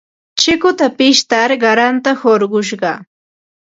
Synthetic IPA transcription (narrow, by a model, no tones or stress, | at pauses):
t͡ʃɪkʊt̪apɪʃt̪aɾɢɑɾant̪ahoɾɢʊʃ̬ɢɑ